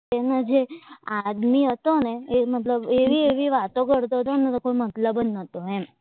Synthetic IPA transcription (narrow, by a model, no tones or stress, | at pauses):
enad͡ʒead̪miɦət̪oneemət̪ləbeʋieʋiʋat̪okəɽt̪oɦət̪onet̪okoimət̪ləbənːət̪oɦe